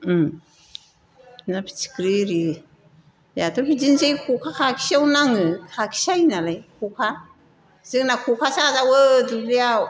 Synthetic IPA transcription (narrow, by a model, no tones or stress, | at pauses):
napʰi̥t͡ʃi̥kɾiɾi | jatʰɯpʰizinzejkʰukʰakʰakʰi̥sawnaŋɯkʰakʰi̥sajnalajkʰukʰa | zɯŋnakʰukʰasazawədulija